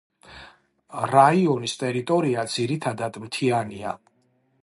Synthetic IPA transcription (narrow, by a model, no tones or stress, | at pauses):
ɾaiɔnist̪ʼɛɾit̪ʼɔɾiad̪z̥iɾit̪ʰad̪ad̪mt̪ʰiania̰